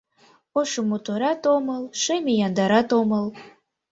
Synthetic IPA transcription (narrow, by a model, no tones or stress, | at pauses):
oʃomot̪oɾɑt̪oməlʃemejɑnd̪ɑɾɑt̪oməl